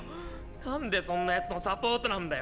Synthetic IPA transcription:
nãnd̪esõ̞nːajat͡sɨnosapoːt̪onãnd̪a

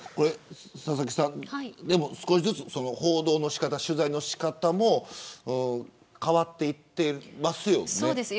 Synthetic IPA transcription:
ko̞ɾe̞ | sas̬akʲi̥sãnaid̪e̞mo̞sɨ̥ko̞ɕizɨt͡sɨso̞no̞ho̞ːd̪o̞ːno̞ɕi̥kat̪aɕɨzaino̞ɕi̥kat̪amo̞ɯ̃ | kaβat̪ːe̞it̪ːe̞masɨjo̞noːd̪es

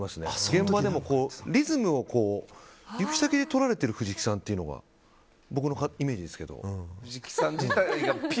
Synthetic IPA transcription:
masɨne̞ɡẽ̞mbad̪emo̞ko̞ːɾʲizɨmɯ̟o̞ko̞ːjɯki̥it̪aked̪e̞t̪o̞ɾaɾe̞t̪e̞ɾɯ̟ɸɯ̟ʑikʲi̥sãnt̪ːe̞iɯ̟no̞ɡa̰ | bo̞k̬ɯ̟no̞kaime̞ːʑid̪e̞sɨ̥ke̞d̪o̞̰ikʲi̥sãɲd͡ʑit̪aiɡapʲ

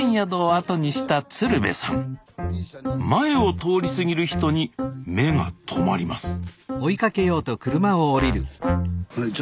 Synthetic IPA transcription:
ɰ̃jad̪o̞ːat̪o̞ɲ̟iɕi̥t̪at͡sɨɾɯ̟be̞̰sã̰ŋ | mae̞o̞t̪o̞ːɾʲisɨɡʲiɾɯ̟çi̥t̪o̞ɲ̟ime̞ŋa̰t̪ʰo̞maɾʲimasɨ̥oikake̞jo̞ːt̪o̞kɯ̟ɾɯ̟maoːɾʲiɾɯ̟

